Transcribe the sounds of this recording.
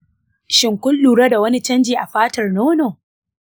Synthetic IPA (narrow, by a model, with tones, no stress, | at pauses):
ʃɪ˨ŋkʷʊ˦lːuː˨ɽa˦da˨wɐ˦ni˦t͡ʃɐ˦nd͡ʒiː˨ʔa˨ɸaː˦tɐ˨rnoː˦noː˨